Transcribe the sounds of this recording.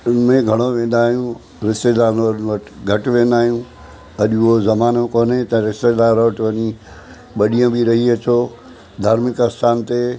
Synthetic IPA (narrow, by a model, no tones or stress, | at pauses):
ʊnmẽɡʱɐɽ̃oʋẽːn̆d̪aːɦijũ | ɾɪst̪eːd̪aːɾnəɾnʋɐʈʰɡʱɐʈʋẽːnd̪aːɦijũ | ɐʄuozɐmaːnõkoːnet̪ɐ̃ɾɪst̪eːd̪aːɾoʋʈʋɐɲi | ɓɐɗijə̃bʱɪɾɐɦiɐt͡ɕʰoː | d̪ʱaːɾmɪkɐst̪ʰaːnt̪e